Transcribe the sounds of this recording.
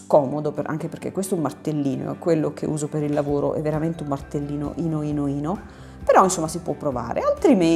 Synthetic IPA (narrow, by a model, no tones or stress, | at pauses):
kɔːmod̪opeʔa̰ŋk̟eperk̟ḛkːwest̪oɛumːart̪elːiːno̰ɛkwelːokʰḛuːzopeɾilːavoːɾo̰ʔɛ̰vːeɾament̪eumːart̪elːiːno̰ʔinoiːnoiːno | peɾɔinsomːasipwɔpːɾova̰ːɾḛalt̪ɾime